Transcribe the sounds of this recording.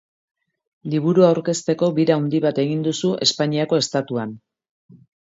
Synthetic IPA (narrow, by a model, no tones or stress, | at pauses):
liβuɾuawɾke̞st̪e̞ko̞βiɾawnd̪iβat̪e̞ɣ̞ind̪usuʔe̞spaɲiako̞e̞st̪at̪uan